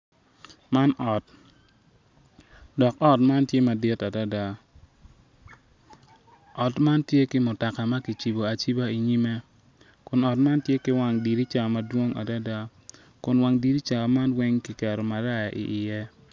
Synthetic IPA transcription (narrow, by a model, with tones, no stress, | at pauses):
ma˦nɔ˨t̚ | dɔ˨kɔ˦tma˦ntje˦ma˨di˦ta˨da˦da˦ | ɔ˨tma˦ntje˦kɪ˦mʊ˨ta˨ka˨ma˦ki˨t͡ʃi˨bo˨a˨t͡ʃi˦ba˦i˨ɲi˦me˦ | kʊ˨nɔ˨tma˦ntje˦kɪ˦wa˦ŋdi˨ɾi˦t͡ʃa˦ma˦dwo˦ŋa̰˨da˦da˦ | kʊ˨nwa˨ŋdi˨ɾi˦t͡ʃa˨ma˦nwɛ˦ŋki˨kɛ˨ɾo˨ma˨ɾa˦ja˨ʔḭ˨ʔɪ˨jɛ˦